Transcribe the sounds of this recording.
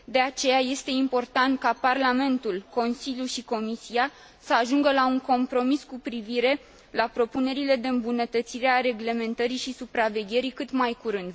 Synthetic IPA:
d̪e̞at͡ʃe̞jaje̞st̪e̞impo̞rt̪ant̪̚kaparlame̞nt̪ulko̞nsiljuʃiko̞misia | səaʒuŋɡəlauŋko̞mpɾo̞miskupɾiviɾe̞ | lapɾo̞pune̞ɾile̞d̪e̞ɨmbunət̪ət̪siɾeaɾe̞ɡle̞me̞nt̪əɾiʃisupɾave̞ɡʲe̞ɾikɨt̪majkuɾɨnd̪

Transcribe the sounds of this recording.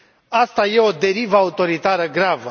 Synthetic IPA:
ast̪aje̞o̞d̪e̞ɾivəaut̪o̞ɾit̪aɾəɡɾavə

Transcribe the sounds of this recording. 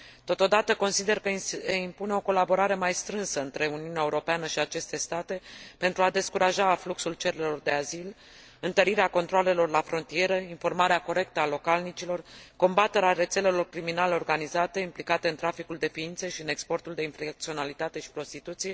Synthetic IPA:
t̪o̞t̪o̞d̪at̪əko̞nsid̪e̞rkəimpune̞o̞ko̞labo̞ɾaɾe̞majst̪ɾɨnsəɨnt̪ɾe̞uniuneaeuɾo̞peanəʃiat͡ʃe̞st̪e̞st̪at̪e̞pe̞nt̪ɾuad̪e̞skuɾaʒafluksult͡ʃe̞ɾelo̞rd̪e̞azil | ɨnt̪əɾiɾeako̞nt̪ɾoale̞lo̞rlafɾo̞nt̪ie̞ɾəinfo̞rmaɾeako̞ɾe̞k̚t̪əalo̞kalnit͡ʃilo̞rko̞mbat̪e̞ɾeaɾe̞t̪se̞le̞lo̞rkɾiminaleo̞rɡanizat̪e̞implikat̪e̞ɨnt̪ɾafikuld̪e̞fiint̪seʃiɨne̞kspo̞rt̪uld̪e̞infɾak̚t̪sio̞nalit̪at̪e̞ʃi̥pɾo̞st̪it̪ut̪sije̞

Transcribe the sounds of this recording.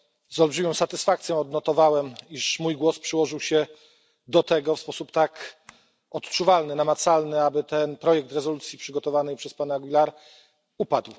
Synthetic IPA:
zɔlbʐɘmʲɔ̃w̃sat̪ɘsfakt̪sʲjɔ̃w̃ɔd̪nɔt̪ɔvawɛmiʂmujɡwɔspʂɘwɔʐɘwɕɛ | d̪ɔt̪ɛɡɔfspɔsupt̪ak | ɔt̪t͡ʂuvalnɘnamat̪salnɘabɘt̪ɛnpɾɔjɛk̚t̪ɾɛzɔlut̪sʲjipʂɘɡɔt̪ɔvanɛjpʂɛspanaɡʲilaɾ | upad̪w

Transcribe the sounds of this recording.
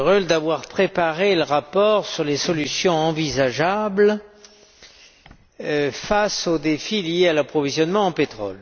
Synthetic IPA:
ʁøld̪avwaʁpχepaʁeləʁapɔʁsyʁlesɔlysjɔ̃ɑ̃vizaʒabl | fasod̪efilijealapχɔvizjɔnmɑ̃ɑ̃pet̪χɔ̰l

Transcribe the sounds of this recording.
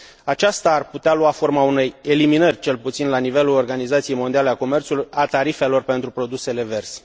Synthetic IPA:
at͡ʃast̪aːrput̪ealuafo̞rmaune̞jeliminərʲt͡ʃe̞lput̪sinlanive̞lulo̞rɡanizat̪sijejmo̞nd̪ialeako̞me̞rt̪sulujat̪aɾife̞lo̞rpe̞nt̪ɾupɾo̞d̪use̞le̞ve̞rsʲ

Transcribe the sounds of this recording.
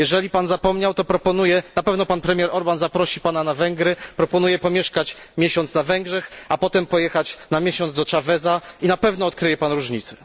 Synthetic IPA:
jɛʐɛlʲipanzapɔmɲawt̪ɔpɾɔpɔn̪ujɛnapɛvn̪ɔpanpɾɛmʲjɛɾʔɔɾbanzapɾɔɕipananavɛŋɡɾɘpɾɔpɔnujɛpɔmʲjɛʂkat͡ɕmʲjɛɕɔnt̪snavɛŋɡʐɛxapɔt̪ɛmpɔjɛxat͡ɕnamʲjɛɕɔnzd̪ɔt͡ʂavɛzainapɛvn̪ɔːt̪̚kɾɘjɛpanɾuʐɲit̪sɛ̥

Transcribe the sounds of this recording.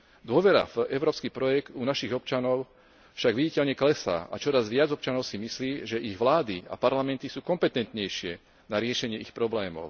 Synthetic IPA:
d̪ʊɔʋɛɾa̰fɛʊɾɔːpskipɾɔjɛɡt̪unaʃiɣɔpt͡ʃanɔʊ | fʃaɡʋiɟicɛʎɲɛklɛsa̰ːʔa̰t͡ʃɔɾazʋɪad͡zɔp̚t͡ʃanɔʊsimisliːʒɛʔiɣʋlaːd̪ia̰paɾlamɛnt̪isuːkɔmpɛt̪ɛnt̪ɲɛjʃɪɛ | naɾɪɛʃɛɲɪɛixpɾɔblɛːmɔ̰ʊ

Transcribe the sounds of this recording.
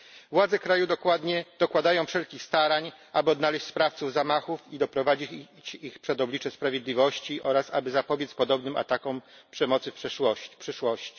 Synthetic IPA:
vwad̪zɛkɾajud̪ɔkwad̪ɲɛd̪̥ɔkwad̪ajɔ̃w̃fʂɛlkʲixst̪aɾaɲʔabɘɔd̪nalɛɕt͡ɕspɾaft̪suvzamaxufid̪ɔpɾɔvad͡ʑi | ixpʂɛd̪ɔblʲit͡ʂɛspɾavʲjed̪lʲivɔɕt͡ɕiʔɔɾasa̰bɘzapɔbʲjɛt̪spɔd̪ɔbnɘma̰t̪akɔm | pʂɛmɔt̪sɘfʂɛwɔpʂɘʂwɔɕt͡ɕi̥

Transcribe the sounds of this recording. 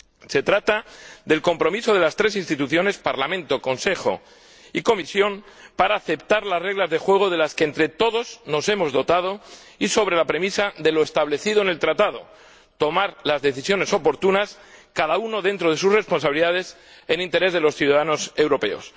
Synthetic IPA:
se̞t̪ɾat̪aðe̞lko̞mpɾo̞miso̞ð̞e̞last̪ɾe̞sinst̪it̪uθjo̞ne̞spaɾlamẽnt̪o̞ko̞nse̞xo̞̰ | iko̞misjo̞m | paɾaːθe̞pt̪aɾlasre̞ɣlazðe̞xwe̞ɣ̞o̞ðe̞laskeːnt̪ɾe̞t̪o̞ðo̞zno̞se̞mo̞zðo̞t̪að̞o̞ | iso̞β̞ɾe̞lapɾe̞misaðe̞lo̞est̪aβle̞θiðo̞ene̞lt̪ɾat̪aðo̞̰ | t̪o̞maɾlazðe̞θisjo̞ne̞so̞po̞ɾt̪unas | kaðauno̞ðe̞nt̪ɾo̞ð̞e̞susre̞spo̞nsaβiliðað̞e̞s | enĩnt̪e̞ɾe̞zð̞e̞lo̞sθjuðaðano̞se̞wɾo̞pe̞̰o̰s

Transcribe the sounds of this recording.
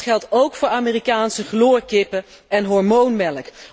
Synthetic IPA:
χɛlˠtowkfʊːɹaːmiːrikaːnsəχloːɹkɪpə | ɛnɦɔɹmownmɛlək

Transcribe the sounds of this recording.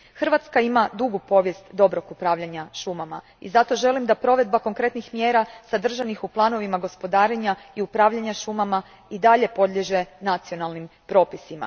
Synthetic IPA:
xr̩ʋat̪skaimad̪uɡupo̞ʋjest̪d̪o̞bɾo̞kupɾaːʋʎaɲaʃumama̰ | ḭzat̪o̞ʒe̞limd̪apɾo̞ʋe̞d̪̚bako̞ŋkɾe̞t̪nixmjeːɾasad̪r̩ʒanixuplˠaːno̞ʋimaɡo̞spo̞d̪aːɾe̞ɲaiupɾaːʋʎaɲaʃumama | id̪aʎe̞po̞d̪ʎʲeʒe̞nat̪sijo̞nalˠnimpɾo̞ːpisima̰

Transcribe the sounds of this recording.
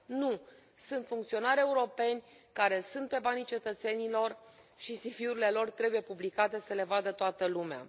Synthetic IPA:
nu | sunt̪fuŋkt̪sio̞naɾʲe̞uɾo̞pe̞nʲ | kaɾe̞sunt̪̚pe̞banit͡ʃe̞t̪ət̪se̞nilo̞r | ʃisifiuɾile̞lo̞rt̪ɾe̞bujepublikat̪e̞səle̞vad̪ət̪oat̪əlumea̰

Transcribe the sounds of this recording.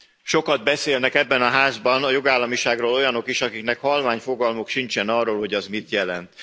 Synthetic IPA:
ʃo̞kɒd̪̚bɛseːlnɛkɛbːɛnɒɦaːzbɒnɒjoɡaːlːɒmiʃaːɡroːlo̞jɒno̞kiʃɒkiknɛkhɒlvaːɲfo̞ɡɒlmokʃint͡ʃɛnɒrːoːlho̞ɟɒzmit̪jɛlɛnt̪

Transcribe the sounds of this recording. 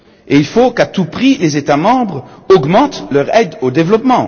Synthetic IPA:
eilfokat̪upχilezet̪amɑ̃bʁɔɡmɑ̃t̪lœʁɛd̪od̪evlɔpmɑ̃

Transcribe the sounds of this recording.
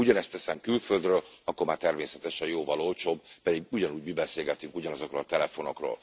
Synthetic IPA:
uɟɒnɛst̪ɛsɛmkylføld̪røːlɒkːormaːrt̪ɛrmeːsɛt̪ɛʃɛjoːvɒlo̞lt͡ʃoːbpɛd̪iɡuɟɒnuːɟmibɛseːlɡɛt̪yŋkuɟɒnɒzo̞kɾroːlt̪ɛlɛfo̞no̞kro̰ːl

